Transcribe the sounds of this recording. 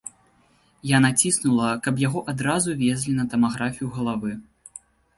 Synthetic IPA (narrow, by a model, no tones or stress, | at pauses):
janat͡sʲisnulˠɐkɐpjaɣɔʔad̪ɾazuvʲezʲlʲinɐt̪ɐmaɣɾafʲijuɣɐlˠavɨ